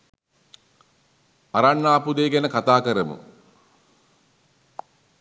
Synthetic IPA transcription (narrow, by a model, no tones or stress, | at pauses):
aɾanːaːpud̪eːɡænəkat̪aːkəɾəmṵ